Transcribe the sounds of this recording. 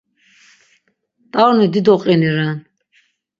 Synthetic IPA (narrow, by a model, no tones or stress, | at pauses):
t̪ʼawnid̪id̪ɔqʼɛniɾan